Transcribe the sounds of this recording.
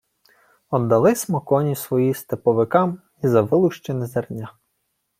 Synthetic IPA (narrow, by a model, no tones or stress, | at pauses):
ɔd̪ːɐlˠɪsmɔkɔnʲisʋɔjist̪epɔʋɪkɑm | izɐʋɪlˠʊʃt͡ʃenɪzɛrnʲa